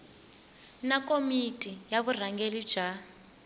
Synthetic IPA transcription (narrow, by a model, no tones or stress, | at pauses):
nakomitʼijaβur̤aŋɡeli̥d͡ʒ̥a